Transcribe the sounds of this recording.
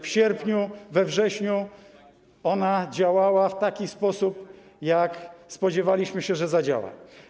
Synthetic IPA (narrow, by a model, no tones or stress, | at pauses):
fɕɛɾpɲuvɛvʐɛɕɲu | ɔnad͡ʑawawaft̪akʲispɔsup | jakspɔd͡ʑɛvalʲiɕmɘɕɛʐɛzad͡ʑa̰wa̰